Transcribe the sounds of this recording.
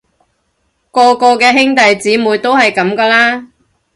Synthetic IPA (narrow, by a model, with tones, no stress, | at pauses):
kɔː˧kɔː˧kɛː˧ɦɪ˥ŋt̪ɐ˨jt͡siː˨˥muː˨˧˥jt̪o˥whɐ˨jkɐ˨˥mkɐː˧laː˥